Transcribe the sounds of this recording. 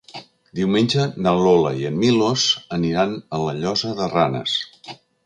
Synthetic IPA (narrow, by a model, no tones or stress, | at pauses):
d̪iwmenʲd͡ʒənəlolə̰iənmilozəniɾanələʎɔzəðəranə̰s